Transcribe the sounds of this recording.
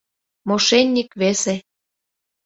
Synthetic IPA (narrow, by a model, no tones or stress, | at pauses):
moʃenʲːikβese